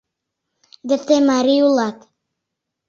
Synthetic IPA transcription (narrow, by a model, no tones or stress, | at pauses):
d̪ɘ̆t̪emaɾiulˠɑk